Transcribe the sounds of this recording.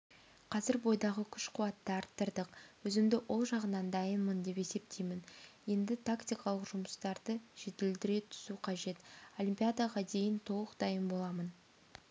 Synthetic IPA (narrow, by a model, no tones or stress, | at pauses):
qʰɑzɪɾbo̞jd̪ɑʁəkʲʰʏʃqʰuwɑt̪ːɑɑɾt̪ːəɾd̪əqwɵzɪmd̪ɪwʔo̞lˠʒɑʁənɑnd̪ɑjənmənd̪e̞pe̞se̞p̚t̪ʰejmɪnje̞nd̪ɪt̪ʰakt̪ijkɑlˠəqʒʊməst̪ɑɾd̪əʒ̥et̪eld̪ɪɾe̞t̪ʰʏ̥suqʰɑʒe̞t̪o̞lʲimpʲijad̪aʁɑd̪e̞jɪnt̪ʰo̞lˠəqd̪ɑjənbo̞lˠɑmən